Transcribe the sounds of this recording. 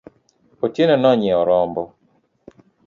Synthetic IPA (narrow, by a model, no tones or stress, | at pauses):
otenɔnɔɲɛɔɾɔmbɔ